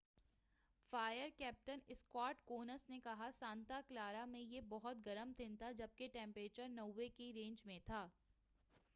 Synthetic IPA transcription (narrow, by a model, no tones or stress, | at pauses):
faːjəɾkɛːp̚ʈənɪskɔːʈkoːnəsnekɐɦasãːnt̪aklaːɾamẽjebɔɦʊt̪ɡɐɾəmt̪ʰɪ̃nt̪ʰad͡ʒɐb̚keʈɛ̃ːmpɾeːt͡ʃəɾnɐwʋːekiɾẽːɲd͡ʒmẽt̪ʰaː